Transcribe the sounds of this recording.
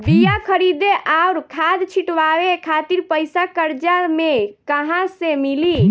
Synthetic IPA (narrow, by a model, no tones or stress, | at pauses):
bijakʰəɾid̪eʔauɾkʰad̪t͡ʃʰiʈʋaʋekʰat̪iɾpəjsakəɾd͡ʒamekəɦãsemili